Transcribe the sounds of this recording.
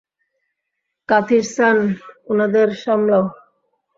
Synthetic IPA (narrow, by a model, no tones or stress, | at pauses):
kat̪ʰiɾsanunad̪eɾʃamlao